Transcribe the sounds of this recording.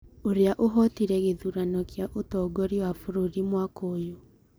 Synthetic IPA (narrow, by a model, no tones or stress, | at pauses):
oɾeaʔoɦɔtiɾɛɣeðuɾanɔkjaʔotɔɡɔɾiwafuɾuɾimwakoːjo